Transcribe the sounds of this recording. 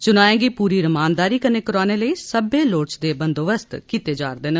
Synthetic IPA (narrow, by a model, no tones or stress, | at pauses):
t͡ʃʊnaːẽːɡiːpuːɾiːɾəmaːnd̪aːɾiːkəneːkəɾaːneːləiːsəbeːloːt͡ʃd̪eːbənd̪oːʋəst̪kit̪eːd͡ʒaːɾd̪eːn